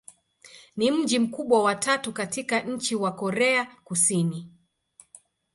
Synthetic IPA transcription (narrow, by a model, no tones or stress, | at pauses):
nim̩d͡ʒim̩kuɓwawatatukatikaɲ̩t͡ʃiwakɔɾɛakusini